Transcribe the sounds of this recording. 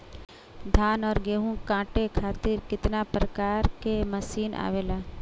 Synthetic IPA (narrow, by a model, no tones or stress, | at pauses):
d̪ʱaːnɔːɾɡeːɦũkãːʈekʰaːt̪ɪɾkɪt̪napɾəkaːɾkeməsiːnʔa̰ːʋeːlaː